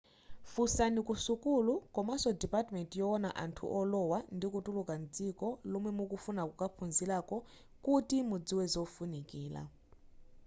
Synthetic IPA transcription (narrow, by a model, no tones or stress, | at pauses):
fusanikusukulukɔmasɔdipatmɛntjɔɔna̰ʔa̰ntʰṵʔɔlɔwandikutʼulukand͡zikɔlɔmwɛmukufunakukapʰunzilakɔ | kutimud͡ziwɛzɔfunikiːla̰